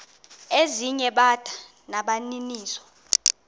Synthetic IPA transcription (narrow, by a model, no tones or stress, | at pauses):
eziɲɛɓad̥ʱa | naɓaniniːsɔ̥